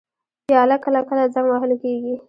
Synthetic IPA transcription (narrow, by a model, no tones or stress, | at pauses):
pjɑlakəlakəlad͡zaŋɡwaɦəlkeɡi